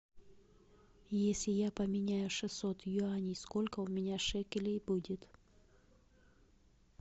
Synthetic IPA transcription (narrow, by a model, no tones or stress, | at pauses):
jesʲlʲɪjapəmʲɪnʲajʊʂɨsot̪jʊanʲiskolʲkəʊmʲɪnʲaʂɛkʲɪlʲejbudʲɪt̪